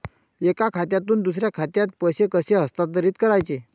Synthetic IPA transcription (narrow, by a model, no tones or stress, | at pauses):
ekakʰat̪jat̪uːnd̪usɾjakʰat̪jat̪̚pəɕekəɕeɦəst̪aəɾiːt̪kəɾajt͡se